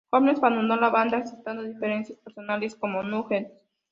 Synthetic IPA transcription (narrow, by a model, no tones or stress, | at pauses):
xoβenesband̪und̪olaβand̪akset̪and̪oðifeɾensjaspeɾsonalesko̞momuxeɾ